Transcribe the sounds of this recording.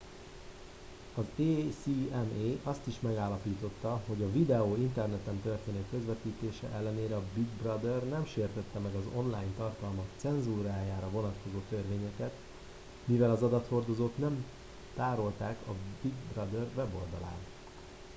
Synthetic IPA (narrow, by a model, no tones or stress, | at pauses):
ɒzeːsiɛmeːʔɒst̪iʃmɛɡaːlːɒpiːt̪o̞t̪ːɒɦo̞ɟɒvid̪ɛoːint̪ɛrnɛt̪ɛmt̪ørt̪eːnɛkːøzvɛt̪iːt̪eːʃɛ̰ʔɛlːɛneːɾɛɒbiɡ̪brɒd̪ɛrnɛmʃeːrt̪ɛt̪ːɛmɛɡɒzo̞̰nlaːjɲt̪ɒrt̪ɒlmɒkt̪sɛnzuːɾaːjaːɾɒvo̞nɒt̪ko̞zoːt̪ørveːɲɛkɛt̪ | mivɛlɒzɒd̪ɒt̪ho̞rd̪o̞zoːt̪nɛm | t̪aːɾo̞lt̪aːkɒbiɡ̪brɒd̪ɛrvɛbo̞ld̪ɒla̰ːnt̪